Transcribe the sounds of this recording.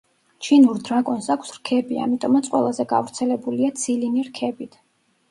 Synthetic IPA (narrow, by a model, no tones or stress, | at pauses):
t͡ʃʰinuɾd̪ɾakʼɔnsakʰsɾkʰɛbia̰mit̪ʼɔmat̪sʼqʼwɛ̰lˠazɛɡa̰vɾt̪sʰɛlɛbuliat̪sʰiliniɾkʰɛbit̪ʰ